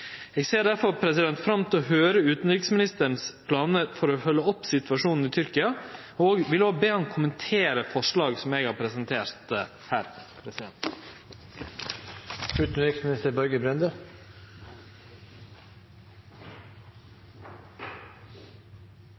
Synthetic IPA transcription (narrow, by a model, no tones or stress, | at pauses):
eːɡseːɖ̪æɾfɔɾpʰɾɛsɪd̪ɛnt̪fɾɑmt̪ʰɪlɔhøːɾəʉːt̪n̩ɾɪksmɪnɪst̪ənspʰlɑːnəɾfɔɾɔfœlːəɔpːsɪt̪ʋɑʂuːnn̩ɪːt̪ʰʏɾkɪɑ | oːɡʋɪloːɡbeːhɑnkʰʊmənt̪ʰeːɾəfɔʂɭɑːɡsɔmeːɡhɑɾpʰɾɛsənt̪ʰeːɾt̪ | hæːɾpʰɾɛsɪd̪ɛnt̪ | ʉːt̪n̩ɾɪksmɪnɪst̪əɾbɔɾɡəbɾɛnd̪ə